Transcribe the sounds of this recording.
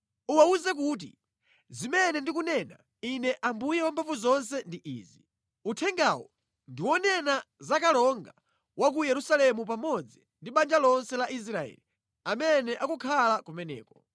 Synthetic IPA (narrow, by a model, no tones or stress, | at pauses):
uwauzɛk̬ut̬ḭ | zimɛnɛndik̬unɛna | inɛʔambujɛwampʰavuzɔns̬ɛndiʔḭːzi | utʰɛŋɡawɔ | ndiwɔnɛnazakalɔŋɡa | wakujɛɾusalɛmup̬amɔd͡zindiɓand͡ʒalɔnsɛlaʔis̬ɾaɛ̰ːli | amɛnɛʔakukʰalakumɛnɛ̰ːkɔ̥